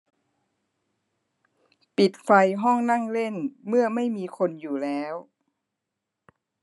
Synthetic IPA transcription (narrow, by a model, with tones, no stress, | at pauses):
pi˨˩t̪̚fa˧jɦɔ˥˩ŋna˥˩ŋle˥˩nmɯ˥˩ɐma˥˩jmiː˧kʰo˧njuː˨˩lɛː˦˥w